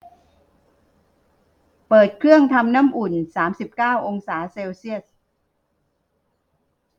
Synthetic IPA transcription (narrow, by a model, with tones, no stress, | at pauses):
pɤː˨˩t̪̚kʰɾɯ˥˩əŋt̪ʰa˧mnaː˦˥˨mʔu˨˩nsaː˩˦msi˨˩p̚kaː˥˩wʔo˧ŋsaː˩˦seː˧wsi˥˩ət̚